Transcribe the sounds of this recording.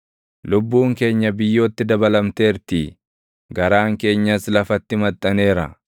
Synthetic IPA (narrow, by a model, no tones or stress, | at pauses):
lʊbːuːŋke̞ːɲːɐbɪjːo̞ːt̪ːɪd̪ɐbɐlɐmt̪e̞ːɾt̪i | ɡɐɾaːŋke̞ːɲːɐslɐfɐt̪ːɪmɐt̪ʼːɐne̞ːɾɐ